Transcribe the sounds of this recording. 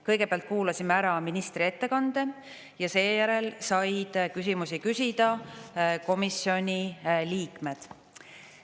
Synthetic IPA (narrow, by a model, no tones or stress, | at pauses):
kɤjɡ̥e̞peɑlt̪̚kuːlɑsʲimeæɾɑminist̪ɾie̞t̪ːe̞kɑnd̪̥e̞ | jɑse̞ːjæɾe̞lsɑjd̪̥kysimusikysʲid̪̥ɑ | ko̞misːio̞nʲiliːkme̞d̪̥